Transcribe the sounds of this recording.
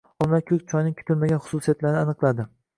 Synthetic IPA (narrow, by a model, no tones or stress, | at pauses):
ɒmːakʲʰɵk̚ʲt͡ʃʰɒjnɪŋkʲʰʊ̥t̪ʰɪlmaɡʲanχʊ̥susijat̪laɾnɪanɨqlˠad̪ɪ